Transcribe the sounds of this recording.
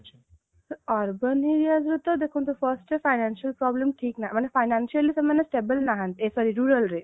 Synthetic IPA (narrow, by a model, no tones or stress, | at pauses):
ɔːɾbəniɾiazɾut̪od̪ekʰũnt̪ufəɾsʈefaɪnanʃəlpɾɔːblemʈʰiːknamanefaɪnãnʃiəlisɐmɐnːesʈeːbəlnaɦə̃nt̪esɔɾiɾuːɾəlɾe